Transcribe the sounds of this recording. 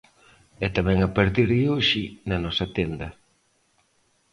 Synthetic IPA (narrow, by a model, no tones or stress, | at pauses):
ɛt̪amɛ̃ŋapaɾt̪iɾðɪoʃɪnɐnɔsɐt̪ɛnd̪ɐ